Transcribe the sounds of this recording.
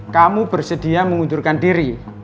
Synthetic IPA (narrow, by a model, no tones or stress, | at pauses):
kamubərsəd̥iaməŋut̪urkandiɾi